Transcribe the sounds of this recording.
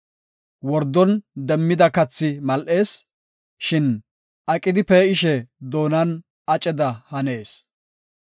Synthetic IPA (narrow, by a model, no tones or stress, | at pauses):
wɔɾd̪ːɔnd̪ɛmːɪd̪ɐkɐt͡sːɪmɐlʔe̞ːs | ʃɪn | ʔɐkʼɪd̪ɪpeːɪʃɛd̪o̞ːnɐn | ɐt͡ʃʼɛd̪ɐhɐne̞ːs